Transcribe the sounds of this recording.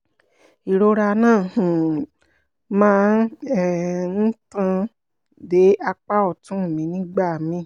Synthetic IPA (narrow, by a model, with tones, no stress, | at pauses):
i˨ɾo˧ɾa˧nãː˦˨hũ˨ | mãː˦nɛ˦˨n̩˦tã˦˧ | de˨˦a˧k͡pa˦ɔ˦˨tũ˨˦˨mĩ˨˦nĩ˦ɡ͡ba˦˨mĩ˨˦